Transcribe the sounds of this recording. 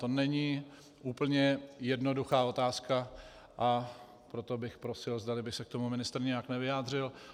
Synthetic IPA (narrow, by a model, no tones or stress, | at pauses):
t̪o̞nɛɲi | ʔuːpl̩ɲɛjɛdno̞duxaːo̞t̪aːska | ʔa | pɾo̞t̪o̞bɪxpɾo̞sɪlzd̪alɪbɪxsɛk̚t̪omumɪnɪst̪ɾ̩ɲɛjaknɛvɪjaːd̪r̝ɪl